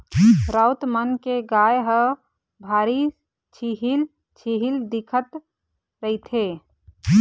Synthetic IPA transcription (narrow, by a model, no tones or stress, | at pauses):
ɾaːʊt̪mənkeɡaːjɦə | bʱaːɾi | t͡ʃʰiɦil | t͡ʃʰiɦild̪ɪkʰət̪ | ɾəɦit̪ʰeː